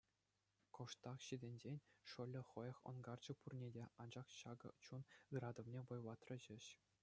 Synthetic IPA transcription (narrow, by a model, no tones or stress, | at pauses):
kŏʂt̪ɑχɕidʲenʲd͡ʑenʲʂɤ̆lʲːɘ̆χɤ̆jɤ̆χŏ̰nɡɑrd͡ʑɤ̆purnʲedʲeɑnd͡ʑɑχɕɑɡɤ̰̆t͡ɕunɯrɑd̪ŏvnʲevŏjʋˠɑt̪rɤ̆ʑɘ̆ɕ